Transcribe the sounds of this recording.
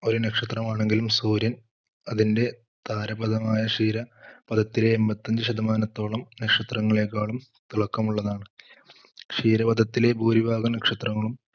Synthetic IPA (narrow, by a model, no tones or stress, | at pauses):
o̞ɾunɐkʂɐt̪rɐmaːɳe̞ŋɡilumsuːɾjɐn | ɐðinde̞ | t̪aːɾɐbɐd̪ʱɐmaːjɐʂiːɾɐpɐd̪ʱɐt̪ːile̞ːmbɐt̪ːɐɲd͡ʑɨɕɐd̪ɐmaːnɐt̪ːo̞ːɭɐmnɐkʂɐt̪rɐŋːɐɭeːk̬ːaːɭum | t̪uɭɐkːɐmuɭːɐðaːɳɨ | ʂiːɾɐpɐd̪ʱɐt̪ːile̞buːɾibʱaːɣɐmnɐkʂɐt̪rɐŋːɐɭum